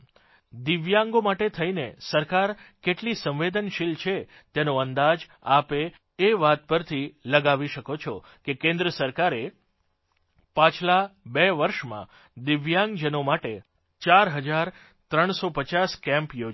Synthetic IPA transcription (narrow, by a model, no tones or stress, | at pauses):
d̪ɪʋjãŋɡomaʈet̪ʰəinesəɾkaɾkeʈlisə̃ʋʋed̪ənʃilt͡ʃʰe | t̪enoənd̪ad͡ʒ | apeː | ʋat̪̚pəɾt̪ʰiləɡaʋiʃəkot͡ʃʰɔ | kekẽnd̪ɾəsəɾkaɾe | pãt͡ʃʰlabɛʋəɾʃmã̰ | d̪ɪʋjãŋɡd͡ʒənomaʈe | t͡ʃaɾɦəd͡ʒaɾ | t̪ɾəɳ̃sopət͡ʃaskɛ̃mpjo